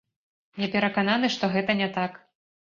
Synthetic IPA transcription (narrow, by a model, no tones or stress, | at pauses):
nʲɛpʲɛɾɐkananɨʂt̪ɔɣɛt̪ɐnʲɛt̪ak